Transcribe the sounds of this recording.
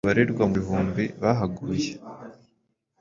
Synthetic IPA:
βaɾeɾɡwamuɦuːmbiβaɦaɡuje

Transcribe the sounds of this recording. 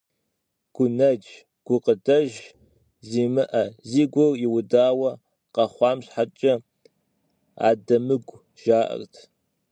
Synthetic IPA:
ɡ̥ʷʊnɐd͡ʒ | ɡ̥ʷʊqədɐʒ | ziːmɨʔɐziːɡʷɔrjɪwʊdaːwɐ | qɐχʷɑːmɕħat͡ʃʼɐ | a̰ːdɐmɨɡʷ | ʒ̥aːʔɐ̰rtʰ

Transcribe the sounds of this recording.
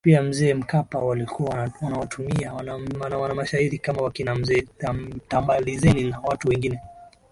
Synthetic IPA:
piam̩zɛːm̩kapawalikʰuawanawatʰumiawanaanawanamaʃahiɾikamawakinam̩zɛːatambalizɛninawatuwɛŋɡinɛ

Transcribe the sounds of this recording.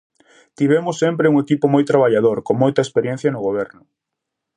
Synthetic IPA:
t̪iβ̞emʊsːempɾɪuŋekipʊmojt̪ɾaβ̞aʎað̞oɾkoŋmojt̪ɐespeɾjɛ̃n̟θjɐnʊɣoβ̞ɛɾnʊ

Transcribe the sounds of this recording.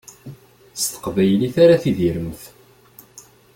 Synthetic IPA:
st̪ə̥qvæjliθaɾaθiðiɾəmθ

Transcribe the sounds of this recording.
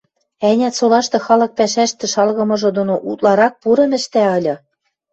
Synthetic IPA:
ænʲæt̪solɑʃt̪ɤ̆xɑlɤ̆k̚pæʃæʃt̪ɘ̆ʃɑlɣɤ̆mɤ̆ʒɤ̆d̪onoʔut̪lɑɾɑk̚puɾɤ̆nɘ̆ʃt̪æɤlʲɤ̆

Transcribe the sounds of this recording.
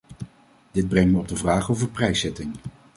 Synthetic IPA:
d̥ɪd̚brɛŋməɔb̚dəvraːχowvəɹprɛjsɛtɪŋ

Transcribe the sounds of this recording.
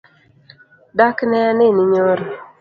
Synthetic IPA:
daknɛanɪnɪɲoɾ

